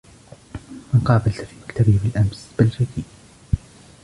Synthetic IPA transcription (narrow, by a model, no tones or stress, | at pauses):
mɪnqɑːbalt̪fiːmakt̪abɪbɪlʔamsb̥ɪlɾɪk̪iː